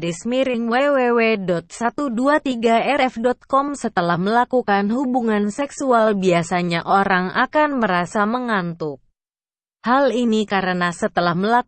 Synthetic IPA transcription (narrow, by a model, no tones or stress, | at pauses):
ɾismiɾɪŋwɛwewedɔt̪̚sat̪uduat̪iɡaɛɾɛfdɔt̪̚kɔmsət̪əlahməlakukanɦubuŋansɛksualbiasaɲaʔoɾaŋʔa̰kanməɾasaməŋant̪u | halinikaɾənasət̪əlahməla